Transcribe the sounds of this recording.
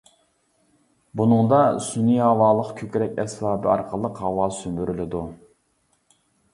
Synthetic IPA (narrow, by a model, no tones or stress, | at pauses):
bunɨŋd̪ɑsuniɑːwɑːlˠəqkʲʰøkʲɾɛkʲɛsbɑːbɨɑɾqʰəlˠəqhɑwɑːsymbyɾʔylɪd̪u